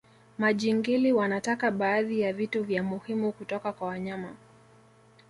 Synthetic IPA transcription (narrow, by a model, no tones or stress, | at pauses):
maʄiŋɡiliwanatakaɓaːðijavituvjamuhimukutɔkakwawaɲama